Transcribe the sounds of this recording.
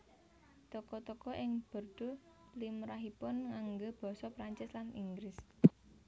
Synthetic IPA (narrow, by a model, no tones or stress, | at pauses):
t̪ɔkɔt̪ɔkɔʔɪŋb̥ə̤rd̪̥o̤ | limɾaɦipʊnŋaŋɡob̥ɔ̤sɔpɾaɲt͡ʃɪslaniŋɡɾɪs